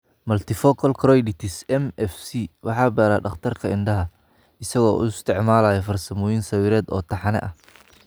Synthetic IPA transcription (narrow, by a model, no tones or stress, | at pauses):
mɐlt̪ʰɪfɔːkʰɐlkʰɾɔjɖɪt̪ʰɪsɛmɛfsiwʔɑħɑːbɛːɾaːɖɐχt̪ʰɐrkʰɐɪnɖɐɦɐ | ɪsɐɣɔːʔʊ̰ɪst̪ʰɪʕmaːlaːjɛfɐrsɐmɔːjinsɐwiːɾɛːd̪ɔ̰ːt̪ʰɐħɑnɛ̰ʔɐh